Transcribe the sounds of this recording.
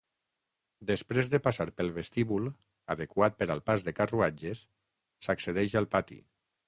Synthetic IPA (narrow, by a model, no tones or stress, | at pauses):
d̪espɾezðepasaɾpəlˠβest̪iβul | a̰ðekwat̪̚pəɾalˠpazðekaruad͡ʒesː | akseðɛʃalˠpat̪ḭ